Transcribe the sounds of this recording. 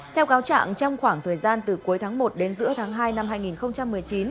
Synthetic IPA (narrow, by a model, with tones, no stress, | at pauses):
t̪ʰɛ˧wkaː˨˦wt͡ɕa̰ː˧˨ŋt͡ɕɔ˧wŋ͡mxwaː˧˩ŋt̪ʰəː˨˩jzaː˧nt̪ɨ˨˩ku˨˦jt̪ʰaː˨˦ŋmo˨˩t̚ɗe˨˦nzɨ̰˧˥ət̪ʰaː˨˦ŋɦaː˧jna˧mɦaː˧jŋi˨˩nxə˧wŋ͡mt͡ɕa˧mːɨ˨˩əjt͡ɕi˨˦n